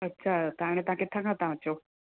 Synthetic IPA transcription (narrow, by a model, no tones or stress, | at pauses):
ətːɕʰat̪aɽ̃ẽt̪ãket̪ʰãkãt̪ãət͡ɕo